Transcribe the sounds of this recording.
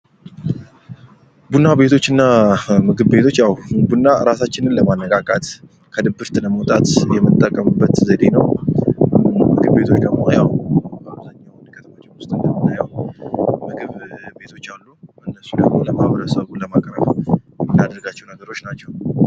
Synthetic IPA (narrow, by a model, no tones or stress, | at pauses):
bunːabe̞t̪ʰo̞t͡ʃːɨnːamɨɡɨβbe̞t̪ʰo̞t͡ʃːjawbunːaɨɾasat͡ʃːɪnɨnləmanːəkʼakʼat̪ʼ | kʰəd̪ɨbɨɾt̪ɨləməwot̪ʼat̪jɛmːɨt̪ʼːəkʼːəmɨbːət̪zəd̪e̞nəw | mɨɡɨβbe̞t̪ʰo̞t͡ʃːd̪əɡmojawbəaβzaɲːawnkʰət̪ʰəmat͡ʃʼɛwʊst̪ʼɨnd̪əmːɨt̪ːajaw | mɨɡɨβbe̞t̪ʰo̞t͡ʃːalːuɨnːəsːud̪əɡmo̞ləmahβəɾəsəβuləmakʼɾəβjmɨnːad̪əɾɡat͡ʃːɛwnəɡəɾo̞t͡ʃːnat͡ʃːɛw